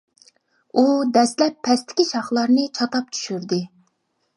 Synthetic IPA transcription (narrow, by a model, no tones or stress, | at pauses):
ud̪ɛst̪lɛpʰːɛst̪ʰɪ̥kʲiʃɑχlˠɑɾnɨt͡ʃʰɑt̪ɑp̚t͡ʃʰy̥ʃyɾd̪ɪ